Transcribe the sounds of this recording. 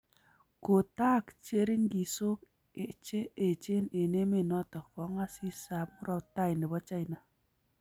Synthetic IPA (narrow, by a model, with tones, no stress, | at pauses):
ko˨ta˦kt͡ʃe˦ɾi˦ŋɡi˨so˦k | e˨t͡ʃe˦e˨t͡ʃe˦ne˨ne˦me˨nɔ˦tɔ˨kɔ˨˦ŋa˦si˦sa˨p̚mu˦ɾɔ˦ta˦jne˨bɔ˦t͡ʃa˦jna˨